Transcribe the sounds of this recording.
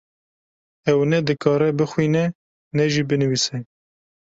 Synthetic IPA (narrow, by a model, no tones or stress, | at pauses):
ɛwnɛd̪ɨkʰɑːɾɛbɨxwiːnɛ | nɛʒibɨnɨwiːsɛ